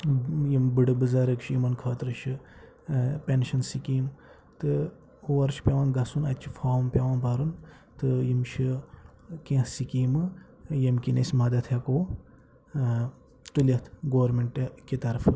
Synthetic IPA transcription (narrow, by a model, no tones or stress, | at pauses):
jimbɨɖɨbɨzɐɾɨkʃʰijimɐnkʰɐːt̪ɾɨʃʰi | pʲenʃɐnsikiːm | t̪ɨ | oːɐɾʃʰi̥pʲɐʋɐnɡɐsunɐt̪ʲt͡ʃʰi̥fʰaːmpʲɐʋɐnbɐɾun | t̪ɨjimt͡ʃʰi | kĩhsikiːmɨ | jɐmkinɐsʲmɐd̪ɐt̪ʰjɐkoː | t̪ulʲɐt̪ʰɡoːɐɾmeɳʈkit̪ɐɾfʰɨ